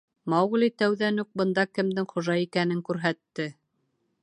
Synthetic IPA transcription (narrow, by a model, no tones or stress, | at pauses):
mɑwʁ̆lit̪æwðænuk̚bɤ̆nd̪ɑkɘ̆md̪ɘŋχŏʒɑikænɘŋkʉɾɦæt̪ːɘ